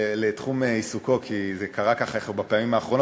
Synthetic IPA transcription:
letχumeisuko̞kʰizekʰaʁakaχaeχbapeamimaːχʁo̞n

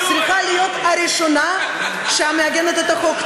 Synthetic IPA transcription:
t͡sɾiχalijo̞t̪aɾiʃo̞na | ʃeɦameaɡenet̪et̪axok

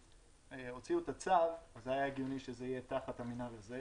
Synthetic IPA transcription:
eo̞t͡siuet̪at͡savazeajaɡijoniʃezeije̞t̪aχat̪haminaʁaze

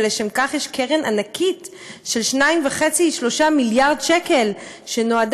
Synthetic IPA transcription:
leʃemkaχjɛʃkʰeʁenanakʰit | ʃelʃnaimvaχet͡siʃlo̞ʃamiljaʁdʃeke̞l | ʃe̞noad

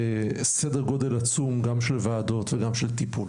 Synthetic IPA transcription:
sedeʁɡo̞d̪elat͡sumɡamʃelvaːdo̞t̪veɡamʃelt̪ipul

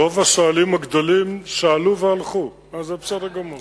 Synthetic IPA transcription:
o̞vaʃoalimhaɡd̪o̞limʃaːluvealχu | mazepsad̪eɡamo

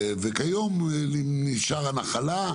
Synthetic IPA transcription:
vekajom | niʃaʁanaχala

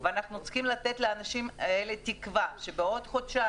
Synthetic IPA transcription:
veanaχnut͡sχimlat̪e̞t̪leanaʃimaele̞t̪ikvaʃe̞beo̞d̪χod̪ʃa

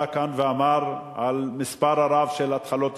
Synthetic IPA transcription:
akanveamaʁ | almispaʁaʁavʃelat̪χalo̞t̪

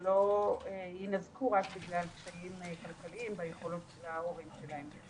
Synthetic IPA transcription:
loeinazkuʁakbiɡlalkʃajimkalkaliimbajeχo̞lotʃelaoʁimʃe̞lahem

